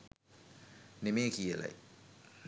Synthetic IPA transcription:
nemeːkʰiːala̰j

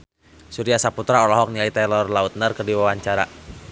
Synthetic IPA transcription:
suɾiasaput̪ɾaɔlɔɦɔk̚niait̪ɛlɔrlaut̪̚nərkərdiwawaɲt͡ʃaɾa

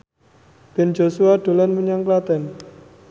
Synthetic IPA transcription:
b̥ɛ̤n̥d͡ʒosuaɖ̪̥o̤lanməɲaŋklat̪ɛn

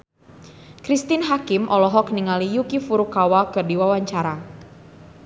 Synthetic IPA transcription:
kɾist̪inɦakɪmʔɔlɔɦɔk̚niŋalijukifuɾukawakɨrdiwawaɲt͡ʃaɾa

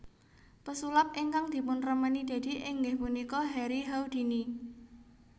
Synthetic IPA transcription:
pəsulap̚ʔiŋkaŋd̪̥i̤pʊnrəmənid̪̥a̤d̪̥i̤ʔɪŋɡɪhpunikɔɦɛɾiɦawd̪̥i̤ni

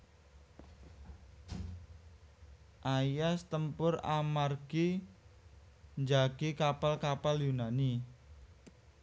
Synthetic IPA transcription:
ʔajast̪əmpʊramarɡ̥i | nd͡ʒaɡ̥ikapalkapaljunani

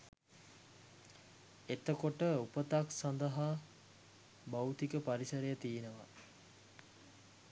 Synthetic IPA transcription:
et̪əkoʈəupət̪aksand̪əɦa | bawt̪ikəpaɾisəɾejət̪iːnəʋa̰

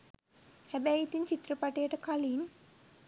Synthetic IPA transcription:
hæbɛjit̪iɲt͡ʃit̪ɾəpaʈəjəʈəkalin

